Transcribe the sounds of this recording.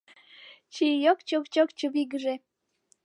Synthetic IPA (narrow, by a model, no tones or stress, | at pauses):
t͡ɕijokt͡ɕokt͡ɕokt͡ɕoβiɡəʒe